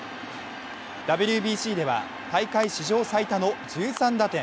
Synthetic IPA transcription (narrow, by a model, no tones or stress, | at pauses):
d̪̥abɯ̟ɾʲɯ̟bʲiːɕiːd̪e̞βa̰ | t̪aikaiɕiʑo̞ːsait̪ano̞d͡ʑɨːsãnd̪at̪ẽ̞